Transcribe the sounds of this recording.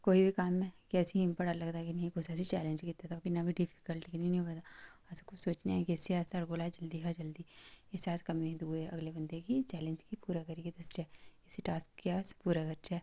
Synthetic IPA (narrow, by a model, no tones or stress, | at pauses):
koːibʱikaːmːẽkɛːsiɦĩmpəɽaɾlɐɡt̪akinɐɦĩkosɛːsit͡ʃɛːlẽnd͡ʒkit̪at̪ʰaokinabʱiɖɪfʰi̥kəlʈikinĩnĩoat̪aɐskʊsoːt͡ʃnaɛkiɪsiaːsɐɽɡoːlad͡ʒɐld̪iɦad͡ʒɐld̪iːɪsaːt̪kɐmĩɦɛ̃d̪uːeɐ̰ɡlebɐ̃nd̪ʱekit͡ʃɛːlẽɲd͡ʒkipuːɾakɐɾikid̪ɐst͡ʃɛːɪsiʈaːskːaːspuːɾakɐɾt͡ʃɛː